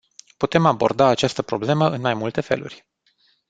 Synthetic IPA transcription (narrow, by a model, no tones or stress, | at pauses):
put̪e̞mabo̞̰rd̪aːt͡ʃast̪əpɾo̞ble̞məʔɨnmajmult̪e̞fe̞̰lṵrʲ